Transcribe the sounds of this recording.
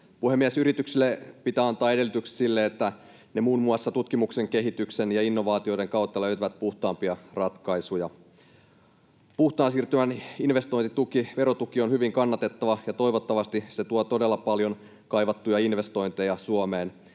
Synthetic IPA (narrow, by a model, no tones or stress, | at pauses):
puhemːiesyɾit̪yksilːepit̪æɑnt̪ɑːe̞delːˑyt̪ykssilːeːt̪ːæ | nemuːnmuɑsːɑt̪ut̪kimukse̞ŋke̞ɦit̪ykse̞njɑinːo̞ʋɑːt̪io̞ide̞ŋkɑwt̪ːɑløɥt̪yʋæt̪̚puht̪ɑːmpiɑrɑt̪kɑisujɑ | puht̪ˑɑːnsiːrt̪ymæninʋe̞st̪ojnt̪it̪ukiʋe̞ɾot̪ukio̞nhyʋiŋkɑnːɑt̪e̞t̪ːɑʋɑjɑt̪o̞iʋo̞t̪ːɑʋɑst̪iset̪uot̪o̞delːɑpɑljo̞n | kɑiʋɑt̪ːujɑinʋe̞st̪o̞jnt̪ejɑsuomeːn